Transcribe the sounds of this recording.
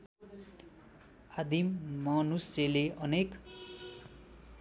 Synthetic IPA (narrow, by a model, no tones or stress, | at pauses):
ad̪imːʌnuseleʔʌnek